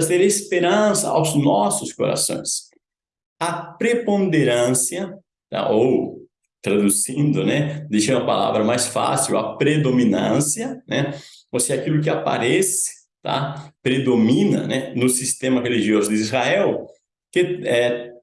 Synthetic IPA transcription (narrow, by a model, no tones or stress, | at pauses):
ɐzeɾespeɾɐ̃sɐ̰a̰wznɔsʊsko̰ɾa̰sõ̰j̃s | ɐpɾepõnd̪eɾɐ̃siɐ | t̪a̰ʔow | t̪ɾad̪uzĩnd̪ʊnɛd̪eʃɐũmɐpa̰la̰vɾɐmajsfa̰siwɐ̰pɾed̪ominɐ̰̃sjɐnɛosiakilʊk̬ɪapa̰ɾɛsɪ̥ | t̪a̰pɾed̪omĩnɐ̰nɛnʊsist̪ẽmɐʁeliʒiozʊd̪ɪizʁaɛw | kɪɛ